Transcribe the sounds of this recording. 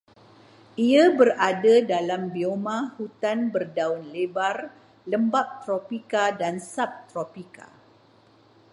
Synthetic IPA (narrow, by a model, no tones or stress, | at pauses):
iabəradadalambiomãhut̪anbərdaunlebar | ləmbap̚t̪ɾopikadansap̚t̪ɾopika̰